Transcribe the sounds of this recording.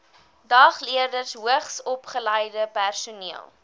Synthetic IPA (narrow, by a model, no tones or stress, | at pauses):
dɑχliərdərsɦuəχsɔpχəlɛjdəpærsuniəlˠ